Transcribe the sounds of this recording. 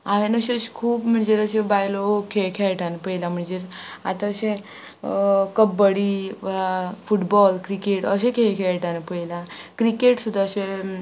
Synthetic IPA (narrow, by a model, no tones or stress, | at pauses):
aʋenəɕeɕkʰuːpm̤əɳd͡ʑeɾəɕebajlokʰeɭkʰeʈanpəjlam̤əɳd͡ʑeɾa̰t̪ãəɕẽ | kəbːəɽi | fuʈbɔlkɾikeʈəɕẽkʰekʰeʈanpəjlakɾikeʈsud̪ʱːaəɕe